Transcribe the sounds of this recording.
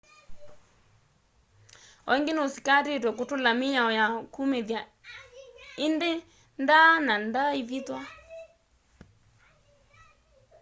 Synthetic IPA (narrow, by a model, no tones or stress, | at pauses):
ɔiŋɡenosikatetwɛk̬otolamiɲaɔjakumeðja | ende | ndanandaivitwa